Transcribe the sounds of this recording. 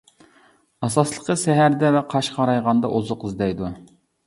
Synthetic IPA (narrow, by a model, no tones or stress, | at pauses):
ɑsɑslˠəqʰəʃɛɦæɾd̪ɛvɛqʰɑʃqʰɑɾɑjʁɑnd̪ɑʔozʊqɨzd̪ɛjd̪u